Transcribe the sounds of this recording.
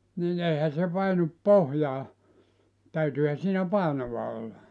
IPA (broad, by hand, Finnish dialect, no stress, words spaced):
nin eihæ se pɑinup pohjɑː tæytyːhæ siːnæ pɑˑenoʋɑ olːɑ